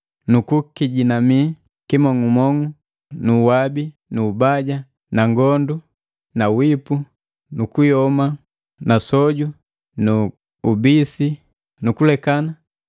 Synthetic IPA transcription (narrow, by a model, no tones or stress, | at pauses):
nukukiɟinami | kimɔŋumɔŋu | nuwabi | nuːbaɟa | naŋɡɔndu | nawipu | nukujɔma | nasɔɟu | nu | ubisi | nukulɛkana